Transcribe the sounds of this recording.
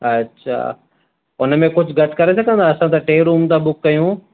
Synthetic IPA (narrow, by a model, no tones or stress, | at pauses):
ɐtːɕʰa̰ː | ʊnəmẽkʊd͡ʑʱʊɡɐʈkɐɾesɐɡə̃nd̪aːɐsãt̪aʈeːɾuːmt̪ãbʊkːɐjũ